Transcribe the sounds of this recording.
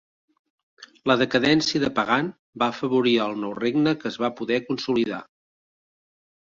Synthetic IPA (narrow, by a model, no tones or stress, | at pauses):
ləðəkəðɛnsiəðəpəɣan | baəfəβuɾiəlˠnɔwreɡnəkəːzβapuðɛkunsuliða̰